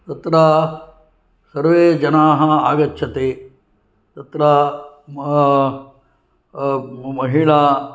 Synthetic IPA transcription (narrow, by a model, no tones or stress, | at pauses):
t̪ɐt̪ɾɐ | sɐɾʋeːd͡ʒɐnaːɦɐaːɡɐtːʃʰɐt̪eː | t̪ɐt̪ɾɐ | mɐɦiɭɐ